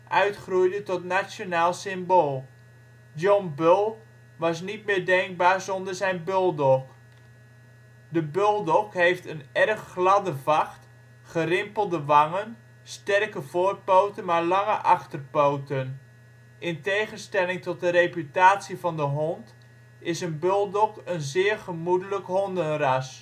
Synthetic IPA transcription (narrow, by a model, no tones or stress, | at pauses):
ʔœɥtχrujdətɔtnasjonaːlˠsɪmboːlˠ | dɔnbølˠ | ʋɑs̬nitmɪːɹdɛŋɡ̚baːɹzɔndərzɛjnbølˠdɔk | dəbølˠdɔkɦejftənɛrχːlɑdəvɑχt | χərɪmpəlˠdəʋɑŋən | stɛrkəvoːrpowtənmaːɹlɑŋəʔɑχtərpowtən | ʔɪntejχənstɛlɪŋtɔt̚dəɾejpytaːtsivɑndəɦɔnt | ɪsənbølˠdɔkənzɪːɹχəmudələkɦɔndənrɑs